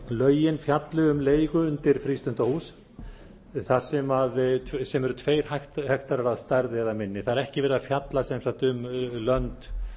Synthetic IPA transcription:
lœːɥjɪnfjat̪lʏʏmleːjɣʏʏnt̪ɪɾ̥fɾiːst̪ʏnt̪ahus | θaɾ̥sɛmaðsɛmɛɾʏt̪ʰveːjɾ̥haht̪hɛxt̪aɾaɾaðst̪aɾðɪɛðamɪnːɪθaðɾɛhcɪvɛːɾɪðafjat̪lasɛmsat̪ʏmlœnt̪

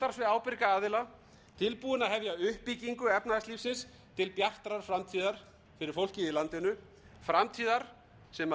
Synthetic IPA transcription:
t̪aɾ̥svɪaːwpɪɾkaaːðɪla | t̪ʰɪlpuːðɪnaðɦɛvjaʏhpiciŋkʏɛpnaðasliːfsɪns | t̪ʰɪlpjar̥t̪ɾaɾ̥fɾamt̪ʰiːðaɾ̥ | fɪɾɪɾ̥fowl̥cɪɪlant̪ɪnʏ | fɾamt̪ʰiːðaɾ̥ | sɛma

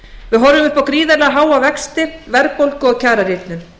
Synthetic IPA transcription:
vɪðɦɔɾðʏmʏhpawkɾiːðɛlɛɣaɦaːwavɛkst̪ɪvɛɾk̚powlkʏɔɣcʰaːɾaɾjɪt̪nʏn

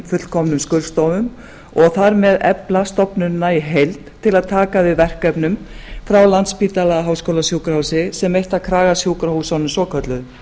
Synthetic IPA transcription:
fʏt̪lkʰɔmnʏmskœlst̪ɔwvʏm | ɔɣθaɾmɛðɛ̰plast̪ɔpnʏnːaiɦejlt̪ʰːɪlaðt̪ʰaːkavɪðvɛr̥kœpnʏmfɾawlant̪spiːt̪alaɣaɦawskowlasjowkɾawsɪsɛmejht̪akʰɾaːɣasjowkɾahusawnʏmsɔːkʰœt̪lʏð

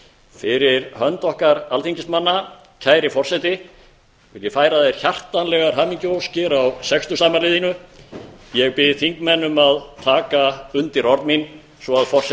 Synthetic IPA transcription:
fɪɾɪɾhœnt̪ɔhkaɾalθiɲcɪsmanːa | cʰaːjɾɪfɔr̥sɛjt̪ɪ | vɪljɪfaːjɾaðejɾ̥çar̥t̪anlɛɣaɾ̥ɦaːmiɲcʏowscɪɾawsɛkst̪ʏsaːmaɾlɪːðinʏ | jɛɣpɪθiŋkmɛnːʏmaðt̪ʰaːkaʏnt̪ɪɾɔɾt̪min | svɔaðfɔr̥s

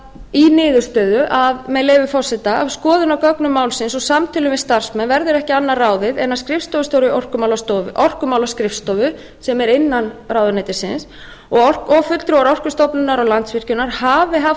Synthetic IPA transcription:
inɪːðʏɾ̥st̪œːðʏʔaðmɛleːvʏfɔr̥sɛt̪aa̰vskɔːðʏnakœknʏmːaːwlsɪnsɔsamt̪ʰɪlʏmɛðst̪ar̥smɛnvɛɾðʏɾɛhcɪanːaraːwðɪðɛnːaskɾɪfst̪ɔvʏst̪oːwɾɪʔɔr̥kʏmawlast̪ɔvʏʔɔr̥kʏmaːwlaskɾɪfst̪ɔvʏ | sɛmɛɾɪnːanrawðʏnajt̪ɪ̥sɪns | ɔɣɔr̥kɔɣfʏt̪lt̪ɾuwaɾɔr̥kʏst̪ɔwpnɪnaɾɔɣlant̪svɪr̥cʏnaɾ̥haːvɪɦaf

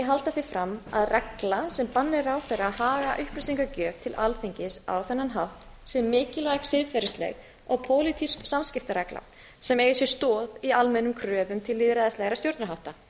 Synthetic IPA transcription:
jɛɦalt̪aθɪfɾamːa̰ðrɛklasɛmpanːɪɾawθejrahaːɣaʔʏhplɪsiŋkacœːvt̪ʰɪlʔalθeɲcɪsa̰wθɛnːanɦawht̪ | sɛmːɪːcɪlvajɣsɪðfɛɾɪslɛ̰ɣ | ɔɣpʰoːwlɪt̪ʰiskːamscɪft̪aɾɛkla̰ | sɛmeːjʏsjɛ̥st̪ɔːðialmɛnːʏmkʰɾœːvʏmt̪ʰɪlːɪːðɾaðaslɛɣɾast̪jowɾt̪naɦawht̪a

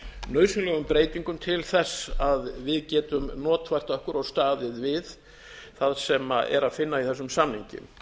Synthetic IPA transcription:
nœːɥsʏnlɛɣʏmpɾeːjt̪iŋkʏmt̪ʰɪlθɛsːaðvɪðcɛːt̪ʏmnɔːt̪fajr̥t̪œhkʏɾawst̪aːðɪðvɪð | θaðsɛmaɛ̰ɾaðfɪnːaiθɛsːʏmsamnhiɲcɪ̰m

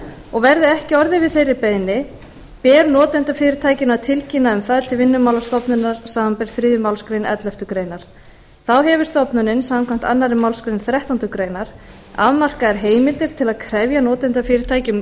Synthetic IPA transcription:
ɔɣvɛɾðɪɛhcɪɔɾðɪvɪðθejrːɪpejðnːɪ | pɛːɾnɔːt̪ɛnt̪afɪːɾɪɾ̥t̪ʰaːjcɪnawt̪ʰɪlcinaʏmθaðt̪ʰɪlvɪnːʏmawlast̪ɔpnʏnːaɾ̥saːmampɪɾ̥θɾiːðʏmawlskɾejnɛ̰t̪lɛft̪ʏkɾeːjnaɾ̥ | θawɦɛvʏɾ̥st̪ɔpnʏnɪnsaːmmkʰvɛm̥t̪anːaɾɪmawlskɾejnθɾɛht̪ɔnt̪ʏkɾeːjnaɾ̥ | a̰ðmar̥kaɛɾ̥ɦeːjmɪlt̪ɪɾ̥t̪ʰɪlaðkʰɾɛvjanɔːt̪ɛnt̪afɪːɾɪɾ̥t̪ʰaːjcɪm

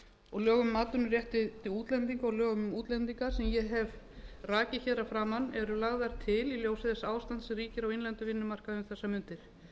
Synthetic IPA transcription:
ɔɣlœːɣʏmʏmaːt̪ʏnʏrjɛht̪ɪt̪ʰɪuːt̪lɛnt̪̬iŋkaɔɣljœːɣʏmmuːt̪lɛnt̪iŋkḁsɛmjɛɦɛv | raːcɪçɛðɾafɾaːmanːɛɾʏlaɣðaɾ̥t̪ʰɪliljoːwsɪðɛsaːwst̪ant̪sriːcɪɾawɪnlɛnt̪ʏvɪnːʏmar̥kaðʏmθɛsːamʏnt̪ɪɾ̥

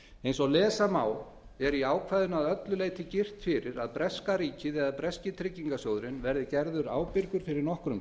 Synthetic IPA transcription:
ejnsɔɣlɛːsamaːw | ɛɾiaːwkʰvaːjðʏnaðœt̪lʏleːjt̪ɪcɪr̥t̪fɪɾɪɾaðpɾɛskaɾiːcɪðɛɣaðpɾɛscɪt̪ʰɾɪcːiŋkasoːwðɾɪnvɛɾðɪcɛɾðʏɾa̰ːwpɪɾkʏɾ̥fɪɾɪɾnɔhkɾʏm

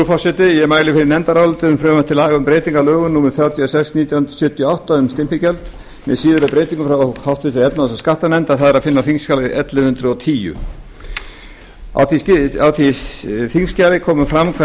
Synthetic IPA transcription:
ufasɪt̪ɪjɛmaːjlɪfɪɾɪɾnɛnt̪aɾalt̪ʏmfɾœːmat̪ʰɪlaːɣaʏmpɾeːjt̪iŋkalœːɣʏnuːmɪɾθjaːwt̪ʰjiɔsɛksniːt̪jant̪sʏːt̪ːjɔawht̪aʏmst̪ɪmpɪcɛlt̪ | mɛ̰ðsiːðʏɾapɾeːjt̪iŋkʏmfɾawahawht̪vɪt̪ʰɪɾɛp̪naðɛsaskaht̪anɛnt̪aθaðɛɾaðfɪnːaθiŋscaːlɪʔɛt̪lɪhʏnt̪ɾʏɔwt̪ʰiːjʏ̰ | a̰wθiawt̪iθiŋscaːlɪkʰɔːmʏfɾamkʰ

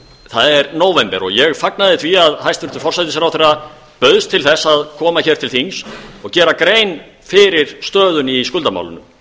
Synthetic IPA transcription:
θaðɛɾnoːwvɛmpɛɾɔɣjɛɣfaknaðɪt̪ʰviaðhajst̪vʏɾt̪ʏɾfɔrsajt̪ɪs̬ɛɾawθeɾa | pœðst̪ʰːɪlθɛsːaðkʰɔːmaçɛːɾt̪ʰɪlθinsɔɣcɛːɾakɾeːjn | fɪɾɪɾ̥st̪œːðʏniskʏlt̪ama̰wlʏ̰nʏm

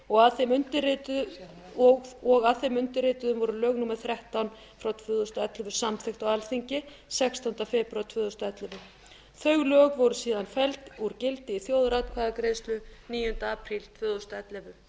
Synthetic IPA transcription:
ɔɣaðθemʏnt̪ɪɾɪt̪ʏ | ɔɣɔɣaðθemʏnt̪ɪɾɪːt̪ʏðʏmvɔɾʏlœːɣnumaɾ̥θɾɛht̪awn | fɾawt̪ʰvʏːðɔst̪aɛt̪lɛvʏ̥samθɛxt̪awalθiɲcɪ | sɛkst̪ɔnt̪afɪpɾawt̪ʰvʏːðɔst̪aɛt̪lɛvʏ | θœɥɣlœːɣvɔwɾʏsiːðanfɛlt̪uɾcɪlt̪ɪiθjoːwðɾaːt̪̚kʰvaðakɾeːjst̪lʏniːjʏnt̪aaːpʰɾilt̪ʰvʏːðɔst̪aɛt̪lɛvʏ

